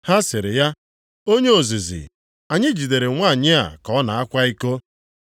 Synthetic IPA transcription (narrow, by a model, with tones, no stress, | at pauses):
ha˦se˨ɾɪ˨ja˦ | o˦ɲe˦o˨zi˨zḭ˨ | a˨ɲɪ˦d͡ʒi˨de˨ɾe˨ŋʷa˦˨ɲɪ˦a̰˨kɔ˨˦na˨a˦kʷa˦i˦ko˦